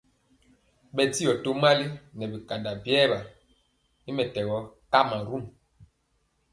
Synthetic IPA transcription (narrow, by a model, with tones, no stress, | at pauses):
ɓɛ˨di˦jɔ˨to˦ma˦li˦nɛ˨bi˨ka˨da˨bjɛː˦˨ba˨ | i˦mɛ˨tɛ˨wɔ˨˦ka˦ma˨ɾu˦˨m